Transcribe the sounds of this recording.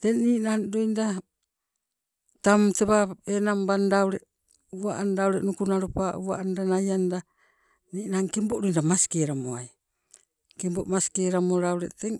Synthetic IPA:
teŋniːʔnandojnda | tamteβaenambandawɾe | uaʔandawɾeʔnukunaɾopauβa̰ʔandanajanda | niːʔnaŋkemboʔɾojndamaskeɾamoaj | kemboʔmasi̥keɾamoɾawɾeteŋ

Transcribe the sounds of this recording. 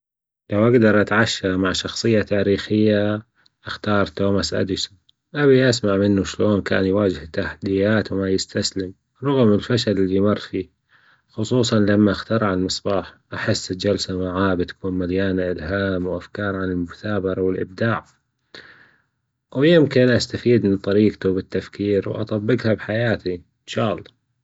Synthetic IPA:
lawʔaɡd̪ɑɾˤʔat̪ʕaʃːamaʕʃɑxsˤɨjːat̪aːɾiːxɪjːa | ʔɪxt̪ɑːɾˤt̪oːmasʔa̰d̪ɪsʊn | ʔabiʔasmaʕmɪnːuʃloːnka̰ːnjwaːd͡ʒɪhɪt̪ːaħad̪ɪjːaːt̪wmajɪst̪aslɪm | ɾˤʊɣmɪlfaʃalɪlːimɑrˤfiː | xʊsˤuːsˤɑnlamːaʔaxt̪ɑɾˤʕalmɨsˤbɑːħʔaħɪsːɪld͡ʒalsamaʕaːbt̪ḁkuːnmaljaːnaʔɪlɦaːmwʔafkɑːɾˤʕanɪlmʊθaːbɑɾˤɑwɪlʔɪ̰b̚d̪aːʕ | wjɪmkɪnʔast̪afiːd̪mɪnt̪ˤɑɾiːqt̪ubɪt̪ːafkiːɾwʔɑ̰t̪ˤɑbːɪqhabħajaːt̪i | ɪnʃaːʔɑlˤːɑː

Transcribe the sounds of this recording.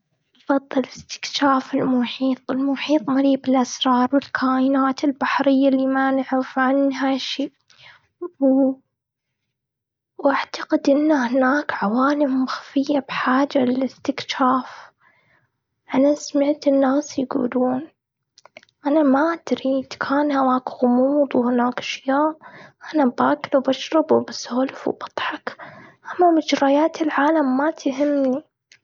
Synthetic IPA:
ʔɑfɑðˤːɨlɪst̪ɪ̥kʃaːfɪlmʊħiːt̪ˤɪlmʊħiːt̪ˤmaɾiːbɪlʔasɾˤɑːɾˤwɪlkʰaːʔɪnaːt̪ɪlbaħɾɪjːalːiːmanɪʕɾɪfʕanɦaʃiː | w | wʔaʕt̪aqɪd̪ʔɪnːahnaːkʕawaːlɪmːaxfɪjːabħaːd͡ʒalɪlɪst̪ɪkʃaːf | ʔanasmaʕt̪ɪnːaːsjɡṵːluːn | ʔanamaʔad̪ɾid̪kʰaːnhawaːkɣʊmuːd̪ˤwhɪnaːkʔḁʃjaːʔʔanabaːkɪlwbaʃɾˤɑbwɪbasoːlɪfw̰bɑt̪ˤħɑkʔamːamɪd͡ʒɾɑjaːt̪ɪlʕaːlamːat̪ɦɪmːni

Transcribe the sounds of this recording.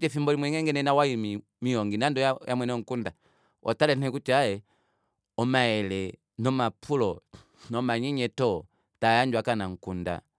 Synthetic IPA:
tɛfimbɔlimwɛŋɛŋɡɛnɛnawaimi | miɔŋɡinandɔjjamwɛnɔŋ̩kunda | ʔɔ̰talɛnɛkutiajɛ | ɔmaɛlɛ | nɔmapʰulɔ | nɔmaɲiɲɛtɔ | tajaɲd͡ʒwakanaŋ̩kunda̰

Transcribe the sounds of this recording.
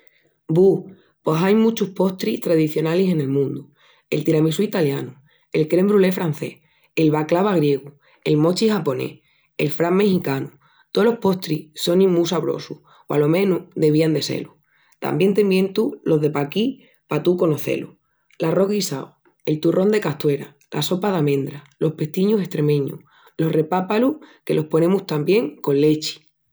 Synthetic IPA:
bu | po̞sajmut͡ʃuhpo̞ht̪ɾiht̪ɾaðiθjo̞nalise̞ne̞lmũnd̪u | e̞̰lt̪iɾamisuit̪aljanu | e̞lkɾe̞mbɾule̞fɾan̟θe̞̰h | elβaklaβaɣɾje̞ɣu | e̞lmo̞t͡ʃixapo̞ne̞̰ | e̞lfɾamme̞xikanu | t̪olo̞hpo̞ht̪ɾiso̞nĩmmːusaβɾo̰su | oa̰lo̞mẽ̞nud̪e̞βiand̪e̞se̞̰lu | t̪a̰mbje̞nt̪e̞mbje̞nt̪ulo̞ðe̞paki | pat̪uko̞noθe̞̰lṵ | laro̞ɣisao | e̞lt̪urʔo̞nd̪e̞kaht̪we̞ɾa | la̰so̞paðamẽ̞nd̪ɾa | lo̞hpe̞ht̪iɲuse̞ht̪ɾe̞mẽ̞ɲṵ | lo̞hre̞papaluhke̞lʔo̞hpo̞nẽ̞muht̪ambje̞ŋko̞nle̞t͡ʃi̥

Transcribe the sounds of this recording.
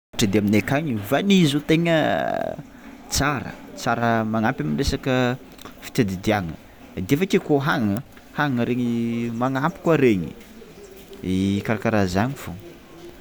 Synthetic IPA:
ʈ͡ʂəd̪eaminekaɲivanizut̪eŋə | t͡saɾə̰t͡saɾəmaŋampʲaminresakə | fi̥t̪ʲad̪id̪iaŋə̰ | d̪efakekoɦaŋŋə | haŋaŋəɾeɲimaŋampi̥kwaɾeɲi | ikaɾakaɾazaɲifo

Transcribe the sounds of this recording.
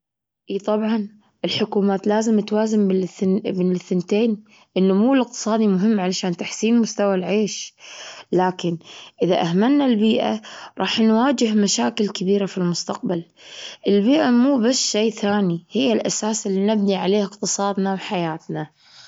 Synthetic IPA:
ʔiːt̪ˤɑbʕɑn | ʔɪlħʊkuːmaːt̪laːzɪmːɪt̪waːzɪmmɪnɪθːɪnt̪eːn | ʔɪnːʊmuːlɪq̚t̪ɨ̥sˤɑːd̪imʊɦɪmːʕalaʃaːnt̪aħsiːnmʊst̪awalʕeːʃ | laːkɪnʔɪða̰ʔaɦmanːalbiːʔa̰ɾˤɑːħnwaːd͡ʒɪɦmaʃaːkɪlkabiːɾafilmʊst̪aq̚balʔɪlbiːʔamuːbasːʃeːθaːnihɪjːalʔasaːsɪlːinɪbniʕaleːhɪqt̪ɨsˤɑːd̪nawħajaːt̪na

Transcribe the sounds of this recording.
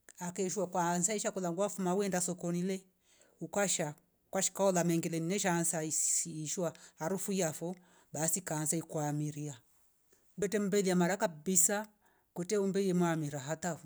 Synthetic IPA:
akɛʃwakwaːnsaiʃakulaŋɡwafumawɛndasɔkɔnilɛ | ukwaʃa | kwaʃi̥kaɔlamɛŋɡilɛninɛʃansaiiːʃwahaɾufuiafɔ | basikaːnsaikwamiɾia | bɛtɛm̩bɛliamaɾakabisa | kwɛtɛumbɛjɛmwamiɾaɦataf

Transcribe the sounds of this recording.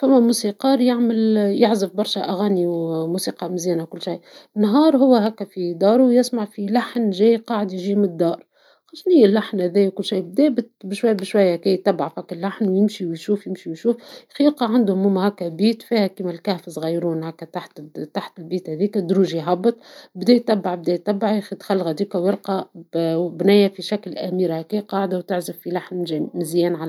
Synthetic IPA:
fæmːæmusiqɑːɾjaʕmɪljɪʕzɪfbɑɾˤʃæʔæɣæniwmusiːqɑmɪzæːnawkʊlːʃajnːɦɑːɾˤhʊwːæɦækːæfid̪ɑːɾˤujɪsmaʕfilaħnʒɛːjqɑːʕəd̪jɪʒiːmɪnd̪ːɑːɾˤ | xɑʃnijɪlːaħnhæðɛːjwkʊlːʃajːb̚d̪ɛːbɪt̪bɪʃwajːbɪʃwæjːækɛjt̪ːæbʕafhækːælːaħnwjɪmʃiwjʃuːfjɪmʃiwjʃuːfxjɪqɑʕand̪hʊmːʊmhækːæbiːt̪fiːhækiːmælkæhfzɣɑjɾuːnhækæt̪aħt̪t̪aħt̪lbiːt̪hæðiːkæd̪ɾuːʒijɦɑbːɨt̪ˤbd̪ɛːjt̪ːæbːaʕbd̪ɛːjt̪ːæbːaʕxt̪xælːɣhæd̪iːkæwɪɾqɑ | bnæːjæfiʃæklʔæmiːɾhækɛːjqɑːʕd̪awt̪ɪʕzɪffilaħnmɪzjɛːnʕa

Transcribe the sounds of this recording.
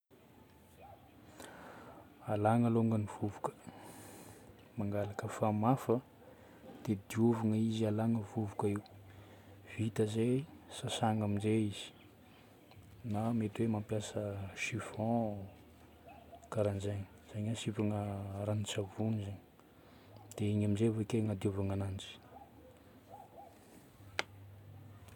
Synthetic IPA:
alaŋəloŋɡəniv̥uvukə̥ | maŋɡalakəfamafə | d̪̥ed̪iuvaŋəizialaŋəvuvukəiw | v̥it̪əzesasaŋaminzeizi̥ | namet̪uwemampjasəʃiv̥ɔ̃ | kaɾand͡ʒeɲi̥z̥aɲasipaŋəɾanit͡savunizaɲi | d̪̥eiɲaminzevekeŋad̪iuvaŋanand͡zi̥

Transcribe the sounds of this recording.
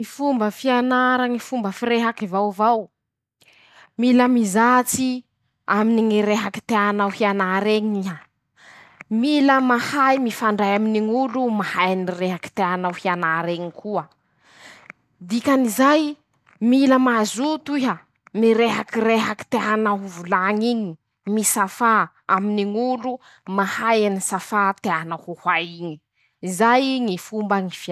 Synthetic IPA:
ifumbəfianaɾaŋifumbəfiɾeɦakivawvaw | milamizat͡si | aminiŋiɾeɦaki̥t̪eanawhianaɾeŋia | miləmahajmifaɳɖ͡ʐajaminiŋulumahajnireɦaki̥t̪eanawhianaɾeŋikʰuə | d̪ikanizaj | miləmazut̪uɦa | miɾeɦakiɾreɦaki̥t̪eanaɦuvulaŋiɲi | misafa | aminiŋulu | mahajanisafat̪eanahuhaiɲi̥ | izajŋifumbaŋifa

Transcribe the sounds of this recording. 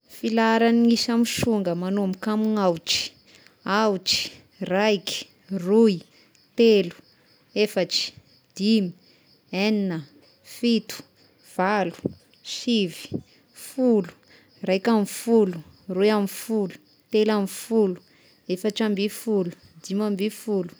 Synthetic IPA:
filaɾaniŋisamiʃuŋɡəmanuamikamiŋawʈ͡ʂi̥ | awʈ͡ʂi̥ | rajki̥ | ruj | t̪elu̥ | efaʈ͡ʂi̥ | d̪̥imi̥ | eninə | fit̪u̥ | v̥alu̥ | sivi̥ | fulu̥ | rajkamifulu | rujamifulu̥ | t̪elamifulu̥ | efaʈ͡ʂambifulu̥ | d̪imambifulu̥

